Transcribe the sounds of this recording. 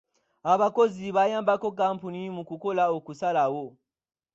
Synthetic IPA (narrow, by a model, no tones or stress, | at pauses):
aβakoziβajambakok̬ampunimukukolaukusalawo